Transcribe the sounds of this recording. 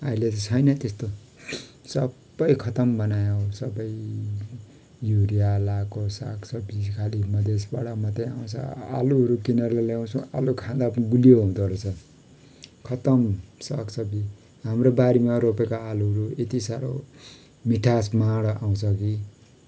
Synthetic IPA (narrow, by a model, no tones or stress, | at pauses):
ʌilet̪t͡sʰʌjnʌt̪est̪o | sʌbʌjkʰʌt̪ʌmbʌnajosʌbʌj | juɾijalakosa̰ksʌbikʰalimʌd̪ʱesbaɽʌmʌt̪eaw̃t͡sʰʌ̰a̰luɦʌɾukinʌɾlaljaw̃t͡sʰũa̰lukʰãd̪apniɡulijoɦũd̪oɾot͡sʰʌ | kʰʌt̪ʌmsʌksʰʌbi | ɦamrobaɾimaɾopekoaluɦʌɾuet̪isaɾo | miʈʰasmaɽaw̃t͡sʰʌki